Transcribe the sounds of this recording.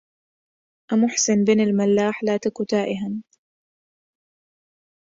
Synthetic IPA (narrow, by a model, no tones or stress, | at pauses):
ʔamʊħsɪnbɪːnɪlmalːaːħlaːt̪akʊt̪aːʔɪɦan